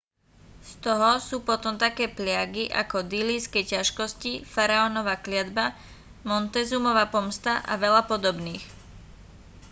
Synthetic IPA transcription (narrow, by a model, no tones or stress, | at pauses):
st̪ɔɦɔsuːpɔt̪ɔmt̪akɛːplɪaɡiʔa̰kɔd̪iliskɛjcaʃkɔscifaɾaɔnɔʋaːklɪad̪ba | mɔnt̪ɛzumɔʋaːpɔmst̪aʔa̰ʋɛʎapɔd̪ɔbniːx